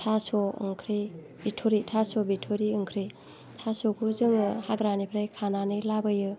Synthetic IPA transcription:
tʰasɔɯ̰ŋkʰɾi | bitʰoɾitʰasɔbitʰoɾiɯŋkʰɾi | tʰasɔkʰuzɯŋɯhaɡɾanipʰɾajkʰananilabɯjɯ

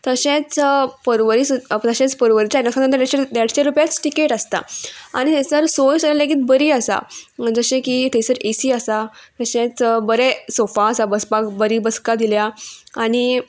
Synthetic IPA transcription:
t̪əɕẽt͡spəɾʋəɾist̪əɕẽt͡spəɾʋəɾit͡ɕanəksãnənt̪əɾd̪aɕed̪jaɽɕeɾupjat͡sʈikeʈəst̪a̰a̰ɽ̃it̪esəɾsojsəlaɡiːt̪̚bəɾiːəsa̰d͡zəɕẽkit̪esəɾesiːəsat̪əɕẽt͡sbəɾɛsofãːsabəspakbəɾiːbəskad̪iljaaɽ̃i

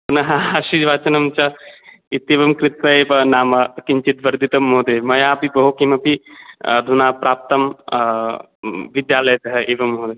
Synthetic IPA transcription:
nɐɦɐaʃid͡ʒʋaːt͡ʃɐnɐmt͡ʃɐ | it̪ːeːʋɐmkɾɪt̪ʋɐeːpɐnaːmɐkiɲt͡ʃit̪ʋɐɾd̪ʱit̪ɐmːoːd̪eːmɐjaːpibɐɦokimɐpid̪ʱunaːpɾaːp̚t̪ɐm | ʋid̪jaːlɐjɐt̪ɐɦɐʔeːʋɐmɦoːd̪e

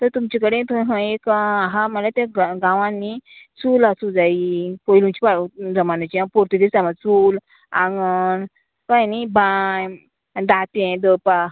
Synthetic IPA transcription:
t̪əɾt̪umt͡ɕikəɽẽt̪ʰõɦə̃ekaaɦaməlat̪ẽɡɡãʋãnːit͡sulasud͡zaipɔjlũmt͡ɕipad͡zəmanat͡ɕiãpɔɾt̪id̪isamat͡sul | ãŋɡən | kajnibaj | d̪at̪ẽd̪əpa

